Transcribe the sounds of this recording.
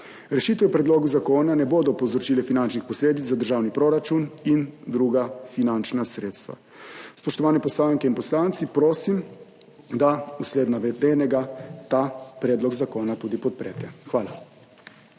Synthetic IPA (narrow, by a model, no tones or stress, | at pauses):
ɾɛʃiːt̪ʋɛpɾɛd̪loːɡuzakoːnanɛboːd̪ɔpɔwzɾɔt͡ʃilɛfinant͡ʃnixpɔsleːd̪it̪zad̪əɾʒaːwnipɾoɾat͡ʃunind̪ɾuɡafinant͡ʃnasɾeːt̪st̪ʋa̰ | spɔʃt̪ɔʋaːnɛpɔslaŋkɛinpɔslaːnt̪sipɾoːsim | d̪ausleːd̪naʋɛd̪eːnɛɡat̪aːpɾɛːd̪lɔɡzakoːnat̪uːd̪ipɔt̪̚pɾɛːt̪ɛxʋaːla